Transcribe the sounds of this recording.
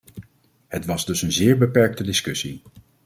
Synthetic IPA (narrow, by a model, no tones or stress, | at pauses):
hətʋɑzdɵsənzɪːɹbəpɛɹk̚tədɪskɵsi